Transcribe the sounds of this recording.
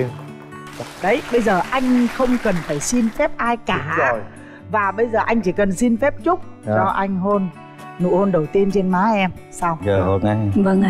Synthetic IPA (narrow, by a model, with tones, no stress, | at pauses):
ɗə˨˦jɓə˧jzəː˨˩ʔa˧jŋ̟xə˧wŋ͡mkə˨˩nfaː˧˩jsi˧nfɛ˦˥p̚ʔaː˧jkaː˨˧˩j | vaː˨˩ɓə˧jzəː˨˩ʔa˧jŋ̟t͡ɕi˧˩kə˨˩nsi˧nfɛ˦˥p̚t͡ɕʊ˦˥k͡p̚t͡ɕɔ˧ʔa˧jŋ̟ɦo˧nː | ṵ˧˩ho˧nɗə˨˩wt̪i˧ənt͡ɕe˧nmaː˨˦ʔɛ˧m | saː˧wəː˨˩ho˧na˧jvə˧ŋ